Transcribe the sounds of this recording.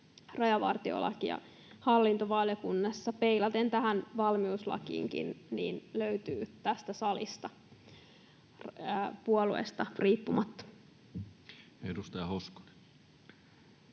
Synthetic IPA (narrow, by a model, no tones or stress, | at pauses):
rɑjɑʋɑ̰rt̪io̰lɑ̰kijɑ̰ | hɑlːint̪oʋɑljokunːɑsːɑpeilɑt̪ent̪æɦænʋɑlmiuslɑ̰kḭːŋkḭnnḭːnløyt̪yːt̪æst̪æsɑlist̪ɑ | rpuoluḛst̪ɑriːpːumɑt̪ːɑ̥ | edust̪ɑjɑhosko̥ni̥